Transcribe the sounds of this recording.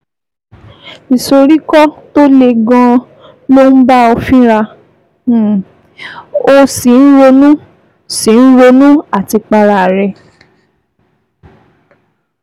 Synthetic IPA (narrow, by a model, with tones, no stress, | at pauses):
i˨so˧ɾi˦kɔ˦to˦le˧ɡɔ̃˧ | lo˦n̩˦ba˦o˧fĩ˦ɾa˧˨ | o˧si˨n̩˦ɾo˧nũ˦ | sĩ˨n̩˦ɾo˧nũ˦a˨ti˧k͡pa˧ɾa˨ɾɛ˧